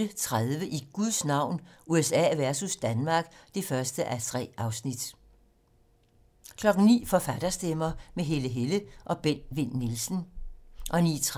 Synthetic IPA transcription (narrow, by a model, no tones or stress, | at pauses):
ət͡sʰʁaðˠʋəʔiɡ̥uðˠsnɑ̈ʊ̰nuesɛ̰ːʋæɐsusd̥ænmɑ̈ːɡ̥d̥e̝fɶɐsd̥əʔæt͡sʰʁɛ̰ːʔɑ̈ʊsnid̥ | kʰlɒ̽ɡ̥n̩nḭːfɒ̽fæd̥ɐsd̥emɐːmeɦe̝ləɦeləʔɒ̽b̥en̰ʋe̝n̰ːilsn̩ʔɒ̽nḭːt͡sʰʁ